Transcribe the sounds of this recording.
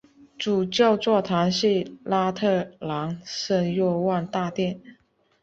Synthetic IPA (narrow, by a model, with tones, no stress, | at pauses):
ʈ͡ʂu˨˩t͡ɕjɑ˥˧ʊt͡swɔ˥˩t̪ʰa˧˥nɕi˥˧˩la˥t̪ʰɤ˥˩la˧˥ŋʂə˥˧ŋjɔ˥˧wa˥˧nt̪a˥˧t̪jɛ˥˩n